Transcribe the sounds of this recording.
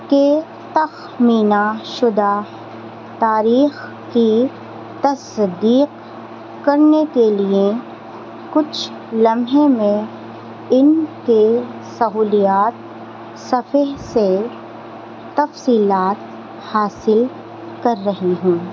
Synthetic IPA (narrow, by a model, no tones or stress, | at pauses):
ke | t̪ɐx | miːnaʃʊd̪a | t̪aːɾiːx | ki | t̪ɐsd̪iːq | kɐɾnekelie | kʊt͡ʃʰ | lɐmɦemẽ | ɪnke | sɐɦuːlijaːt̪̚ | sɐfeɦse | t̪ɐfsiːlaːt̪ | haːsɪl | kɐɾːɐɦiɦũː